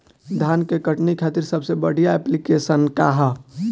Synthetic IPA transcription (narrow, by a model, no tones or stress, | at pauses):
d̪ʱaːnkekəʈnikʰaːt̪iɾsəbsebəɽ̤ijaɛplikesənka̰ɦə